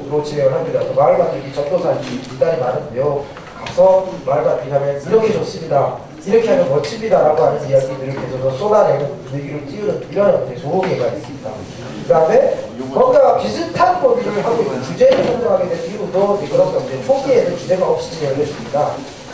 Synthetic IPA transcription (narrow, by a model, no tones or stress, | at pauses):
ɾot͡ɕʰieɯɭɦamɲidatomaɯɭɡadɯɡit͡ɕʌp̚t͈osʰaid͡ʑʰiidaɾimaɾɯnde̞jo | kak̚s͈ʰʌmaɭɡainamjʌniɾʌkʰet͡ɕos͈ɯmɲida | iɾʌkʰeɦamjʌnwʌt͡ɕʰimɲidaɾaɡoɦaɲɯnijaɡidɯɾekʰesʰʌsʰʌs͈odaɾenɯnneɡiɾɯɭt͡ɕ͈iɯɾɯniɾʌnedesʰooɡieɡades͈ɯmɲida̰ | kɯdame̞ | kɯɾʌndaɡapisʰɯtʰanpodiɾɯɭɦaɡoiɯt͡ɕud͡ʑe̞ɾɯɭsʰand͡ʑʌŋɦaɡedwenɡibundʌnekɯɾʌnt͈ʌnd͡ʑet͡ɕʰoɡiedot͡ɕud͡ʑe̞ɡaʌp̚ɕ͈i̥d͡ʑieɯɭɦes͈ɯmɲida